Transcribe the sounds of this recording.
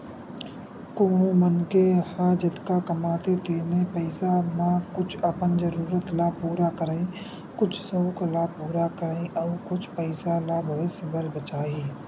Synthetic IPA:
koːnõmənkehad͡ʒɪt̪kakəmaːt̪et̪eːnepəɪsamãkʊt͡ʃʰəpənd͡ʒəɾuːɾət̪laːpuːɾakəɾaẽ | kʊt͡ʃʰsoːklaːpuːɾakəɾaẽʔɔːɾkʊt͡ʃʰpəɪsalaːbʱəʋɪsəbəɾbət͡ʃaːiː

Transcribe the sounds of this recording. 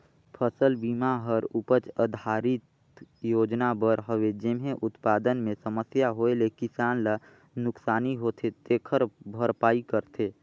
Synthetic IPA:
pʰəsəlbiːmaɦəɾʊpət͡ʃəd̪ʱaːɾɪt̪ | joːd͡ʒnabəɾɦəwed͡ʒemɦẽʔʊt̪paːd̪ənmẽsəməsjaɦoelekɪsaːnla | nʊksaːniɦoːt̪ʰet̪eːkʰəɾbʱəɾpaːikəɾt̪ʰeː

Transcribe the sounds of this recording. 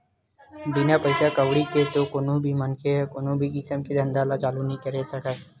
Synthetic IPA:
binapəɪsakəʋɽiket̪okoːnõbʱimənkʰeɦɛkoːnõbʱikɪsəmked̪ɐ̃nd̪aːlat͡ʃaːlunəɦĩkəɾesəka

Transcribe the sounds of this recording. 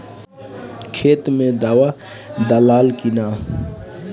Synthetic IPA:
kʰeːt̪mẽd̪awa | d̪əlaːlkinaː

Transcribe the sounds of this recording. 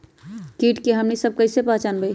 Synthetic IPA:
kiʈkeɦəmnisəb̚kəjsepat͡ʃanbəj

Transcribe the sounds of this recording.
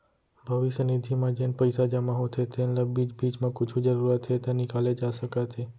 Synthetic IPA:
bʱəʋiʃənid̪ʱimãd͡ʒenpəjsad͡ʒamãɦot̪ʰet̪ʰenləbid͡ʒbit͡ʃmãkʊt͡ʃʰud͡ʒəɾuɾat̪ʰːet̪anikaled͡ʒaʃəkat̪ʰe

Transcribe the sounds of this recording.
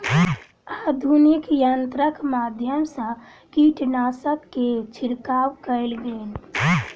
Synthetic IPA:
ad̪ʱunikjənt̪ɾəkmad̪ʱjəmsə̃ | kiʈnaːsəkːet͡ʃʰɪɾkaːwkəɪlɡen

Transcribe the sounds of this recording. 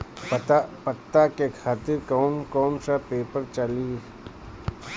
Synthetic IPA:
pt̪apɐt̪ːakekʰaːt̪ɪɾkɔːnkɔːnsapeːpəɾt͡ʃɐli

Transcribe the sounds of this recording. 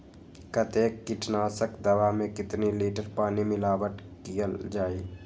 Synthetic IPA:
kət̪eːkːɪʈnaːsəkd̪ɐʋamẽkɪt̪niliːʈəɾpaːnimɪlaːʋəʈ̪ | kijəld͡ʒaːiː

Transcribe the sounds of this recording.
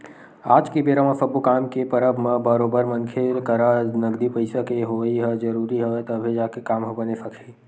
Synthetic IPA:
aːd͡ʒkebeːɾamãsəbukaːmkepəɾəbʱmə̃bəɾoːbəɾmənkʰelkəɾanɐɡd̪ipəɪsəkeɦoːiɦəd͡ʒəɾuːɾiɦəet̪əbʱed͡ʒaːkekaːmɦobənesəkʰi

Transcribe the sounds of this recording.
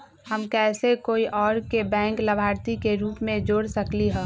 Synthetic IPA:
həmkɛːsekoːiʔɔːɾkebɛ̃ːŋkləbʱaːɾt̪ikeɾuːpmẽd͡ʒoːɽsəkliɦɛ̃ː

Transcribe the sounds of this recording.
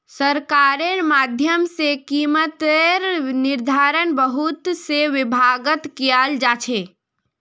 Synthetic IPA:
səɾkaɾeɾmad̪ʱjəmsekimət̪eɾniɾd̪ʱaɾənbəɦut̪seʋɪbʱaɡət̪kijald͡ʒat͡ʃʰe

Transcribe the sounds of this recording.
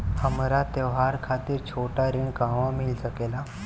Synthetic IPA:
həmɾat̪eʋɦaɾkʰat̪iːɾt͡ɕʰoʈaɾiːɳkãʋamilsəkela

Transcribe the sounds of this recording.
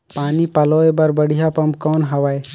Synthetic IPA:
paːnipɐloːebɐɾbɐɽ̤ijapɐmkɔːnɦɐʋae

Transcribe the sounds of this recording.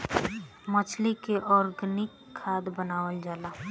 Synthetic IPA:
mət͡ʃʰlikeʔɔːɾɡənɪkʰːaːd̪bənaːwəld͡ʒaːlaː

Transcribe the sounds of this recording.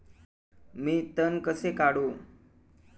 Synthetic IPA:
miːt̪ənkəsekaɽu

